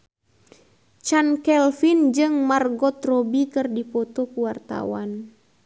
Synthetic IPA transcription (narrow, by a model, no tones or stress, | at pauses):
t͡ʃankɛlfind͡ʒɨŋmarɡɔt̪rɔbikɨrdipɔt̪ɔkuwart̪a̰wan